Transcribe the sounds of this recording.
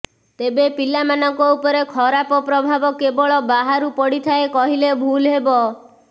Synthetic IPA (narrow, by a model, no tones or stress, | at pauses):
t̪ebepilamanɔŋkɔupɔɾekʰɔɾapɔpɾɔbʱabɔkebɔɭɔbaɦaɾupɔɽit̪ʰaekɔɦilebʱulɦebɔ